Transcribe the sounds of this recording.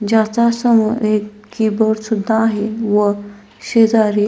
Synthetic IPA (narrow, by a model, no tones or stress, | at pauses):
d͡ʑat͡sasəməe | kibəɽsud̪ʱːaːɦeʋə | ɕed͡zaɾi